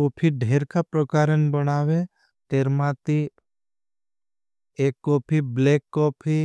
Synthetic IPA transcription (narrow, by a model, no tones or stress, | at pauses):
kopʰiɖʱeːɾkapɾəkaːɾənbənaːʋe | t̪eːɾmãt̪i | eːkːɔːpʰibleːkːɔːpʰi